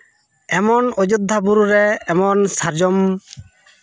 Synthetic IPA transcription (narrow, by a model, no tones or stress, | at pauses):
ɛmɔnɔd͡ʒud̪ʱːabuɾuɾɛːmɔnsaɾd͡ʒɔm